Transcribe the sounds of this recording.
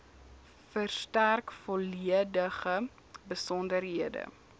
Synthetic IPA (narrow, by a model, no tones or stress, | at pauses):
fərstærkfɔliədəχə | bəsɔndərɦiədə̰